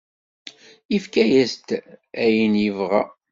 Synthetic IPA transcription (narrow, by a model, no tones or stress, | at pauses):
ifkæjæst̪æjənjəvʁæ̰